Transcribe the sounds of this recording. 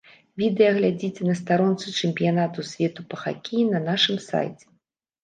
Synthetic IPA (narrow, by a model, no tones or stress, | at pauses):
vʲid̪ɛjɐɣlʲad͡zʲit͡sʲɛnɐst̪aɾɔnt̪sɨt͡ʂɛmʲpʲijanat̪usʲvʲɛt̪upɐxa̰kʲijinɐnaʂɨmsa̰jt͡sʲɛ̥